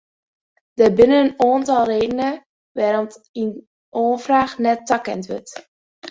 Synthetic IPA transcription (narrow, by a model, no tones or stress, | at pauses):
d̥əbɪnənənoːntɑlˠreːdənə | ʋaːɾɔnt | in | ʔoːfraːxnɛtːakɛ̰ntʋø̰t